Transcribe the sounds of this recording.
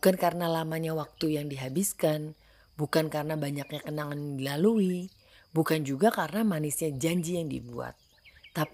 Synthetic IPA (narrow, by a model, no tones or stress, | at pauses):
ukankarənalamaɲawak̚t̪ujaŋdiɦabiskan | bukankarənabaɲak̚ɲakənaŋandilalui | bukand͡ʒuɡakarənamanisiad͡ʒaɲd͡ʒijaŋdḭbua̰t̪̚ː | ap